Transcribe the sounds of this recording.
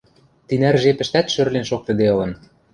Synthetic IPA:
t̪inærʒepɘ̆ʃt̪æt̪ʃørlenʃok̚t̪ɤ̆d̪eɤ̆lɤ̆n

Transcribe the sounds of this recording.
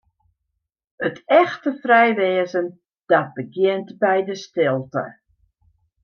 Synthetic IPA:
ətɛxtəfrɛjʋɛːəzən | d̥ɑt̚bəɡjɪəntbɛjdəstɪlˠtə̰

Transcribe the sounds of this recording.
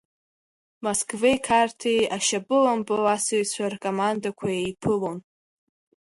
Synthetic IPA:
moskʰʼvejkʰartʰejaʃabʼɨlampʼɨwasɨɥt͡sʷʰarkʼomandakʷʰajejpʰɨlon

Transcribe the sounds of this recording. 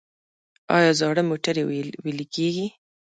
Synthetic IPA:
ɑ̰jɑzɑɽəmoʈaɾewelikeɡi

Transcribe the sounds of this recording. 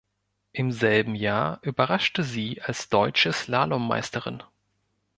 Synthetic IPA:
ʔɪmzɛlbm̩jaːɐʔyːbɐʁaʃtəziːʔalsd̥ɔʏt͡ʃəslaːlɔmːa̰ɪstəʁɪ̰n

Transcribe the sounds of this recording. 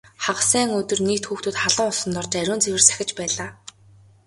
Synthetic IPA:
χaʁsæːŋɵt̪ɵ̆rniːkt̪xuːxt̪ŭːt̪χaɮɞ̆ŋʊsɞ̆nt̪ɔrt͡ɕæɾʲʊːnt͡sewɘ̆rsæ̥xʲɪ̆t͡ɕpæːɮaː

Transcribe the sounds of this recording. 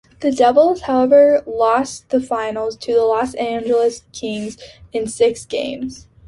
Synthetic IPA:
ðɨdɛvl̩ˠz̥haʊɛvə˞lɔsðɨfãɪ̃nl̩ˠz̥tʰɨðəlɔsæ̃nd͡ʒl̩ˠəskʰɪ̃ŋzɨ̃nsɪksɡ̥ḛ̃ɪ̃mz̥

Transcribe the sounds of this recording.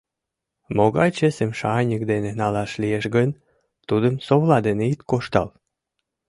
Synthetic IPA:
moɣɑjt͡ɕesemʃɑnʲək̚d̪enenɑlɑʃlieʃɡən | t̪ud̪əmsoβlɑd̪eneit̪koʃt̪ɑ̰l

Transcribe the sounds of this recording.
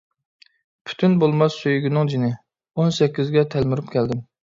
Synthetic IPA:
pʰy̥t̪ʰynbolˠmɑsːøjyɡʲinɨŋd͡ʒinɪ | onsɛkʲːizɡʲɛt̪ʰɛlmyɾupkʲʰɛld̪ɪm

